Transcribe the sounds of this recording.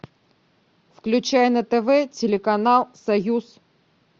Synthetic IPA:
fklʲʉt͡ɕæjənət̪ɛvɛtʲɪlʲɪkɐnalˠsɐjus

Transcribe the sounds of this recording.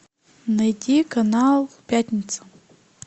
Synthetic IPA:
najtʲikʰanalˠpʲatʲnʲit̪sʰḁ

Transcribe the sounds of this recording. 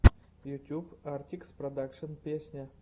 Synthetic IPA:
jut̪ʲubart̪ʲiksprod̪akʂənpʲesʲnʲa

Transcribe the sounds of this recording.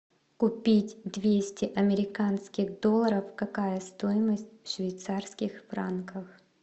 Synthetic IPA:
kʊpʲitʲd̪vʲesʲtʲɪʔɐmʲɪɾʲɪkanskʲɪɣd̪o̞lˠːəɾəfkɐkajəst̪ojɪməsʲt̚ʲfʂvʲɪjt̪sarskʲɪxfɾa̰nkəx

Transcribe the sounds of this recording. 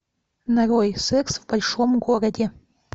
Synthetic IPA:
naɾojsɛksvbɐlʲʂomɡoɾədʲe

